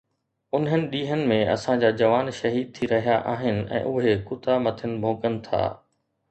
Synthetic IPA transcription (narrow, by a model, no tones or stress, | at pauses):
ʊnɦənɪ̆ɗiːɦənɪ̆mẽɐ̰sãd͡ʑaːd͡ʑɐʋaːnʃɐɦiːd̪̚t̪ʰiɾɐɦijaʔaːɦɪnɪ̆ʔɛ̰̃ːʔʊɦekʊt̪amɐt̪ʰənɪ̆bʱoːkənɪ̆t̪ʰa̰ː